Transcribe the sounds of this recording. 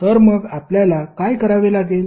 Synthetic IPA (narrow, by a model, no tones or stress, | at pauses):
t̪əɾməɡapljalakajkəɾaʋelaɡel